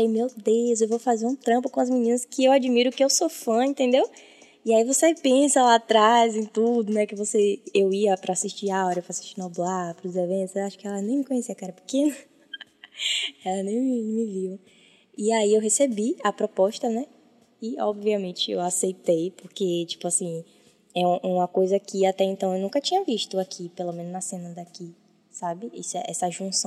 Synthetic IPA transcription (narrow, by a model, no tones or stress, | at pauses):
ejmewd̪ezewvowfazeɾũt̪ɾɐ̃pʊkõɐzminĩnɐskɪewad͡ʒimiɾʊkɪewsofɐ̃ẽnt̪ẽnd̪ew | iaivoseepẽsɐlat̪ɾazẽj̃t̪ud̪ʊnɛkɪvoseewiɐpɾɐasiʃt͡ʃiaɔɾɐewfɾasi̥ʃt͡ʃinɔblapɾʊzevẽnt̪ʊzewaʃʊ̥kɪɛlɐnẽj̃mɪkõɲesiɐkɛɾɐpɪ̥kẽnɐ | ɛlɐnẽj̃mɪmɪviw | iaiewɦesebiɐpɾopɔʃt̪ɐnɛ | ɪɔbviɐmẽnt͡ʃɪḛwasejt̪ejpoɾket͡ʃi̥pʊasĩ | ɛũʔũmɐkojzɐkɪat̪ɛẽnt̪ɐ̃w̃ewnũŋkɐt͡ʃĩɲɐviʃt̪ʊakʰipelomẽnʊznɐsẽnɐd̪aki | sabɪḭsɛʔɛsɐʒũsɐ̃